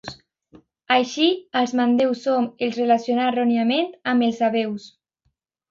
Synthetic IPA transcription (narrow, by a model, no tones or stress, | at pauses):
s | ajʃialˠzmand̪ewsːomelˠzrelasjonarɔnjament̪amelˠzaβews